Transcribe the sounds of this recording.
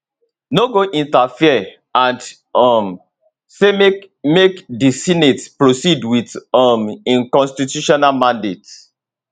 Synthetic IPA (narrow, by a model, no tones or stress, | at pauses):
noɡoʔĩntafiə | ãnd | ɔm | seme | mekdisinetpɹosidwitɔmĩŋkɔ̃nstitjuʃɔnalmãndet